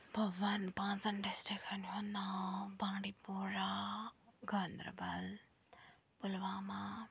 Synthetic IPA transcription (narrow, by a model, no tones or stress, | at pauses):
bʱɐɡʋɐnpãːt͡sɐnɖisʈikɐnɦunabãːɖipuɾa | ɡɐnd̪ɾə̰bɐl | pʊlʋaːma